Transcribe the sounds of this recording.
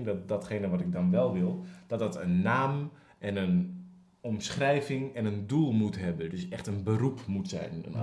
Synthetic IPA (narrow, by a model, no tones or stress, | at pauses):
ndɔtdɔtχejnəʋɔtɪk̚dɔnʋɛlˠʋɪlˠd̥ɔt̚dɔtənːaːm | ʔɛnən | ɔmsχrɛjvɪŋɛnəndulˠmutɦɛbəndøsɛxtənbərupmutsɛ̰jnə̰n